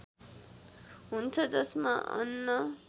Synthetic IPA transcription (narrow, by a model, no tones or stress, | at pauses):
ɦunt͡sʰʌd͡zʌsmaʔʌ̰nːʌ